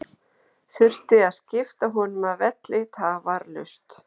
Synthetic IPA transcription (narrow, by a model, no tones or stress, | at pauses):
θʏr̥t̪ɪaðscɪft̪aɦɔnʏnaðvɛt̪lɪt̪ʰaːvaɾlʏ̰st̪